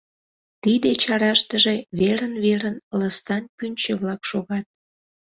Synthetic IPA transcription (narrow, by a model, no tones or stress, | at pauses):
t̪id̪et͡ɕɑɾɑʃt̪əʒeβeɾənβeɾənləst̪ɑnpynʲt͡ɕəβlɑkʃoɣɑt̪̚